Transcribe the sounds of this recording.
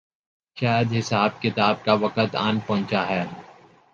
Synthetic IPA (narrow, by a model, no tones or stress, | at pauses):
ʃaːjəd̪ɦɪsaːb̚kɪt̪aːb̚kaʋɐkət̪a̰ːnpɐ̃ɦʊ̃nt͡ʃaɦɛː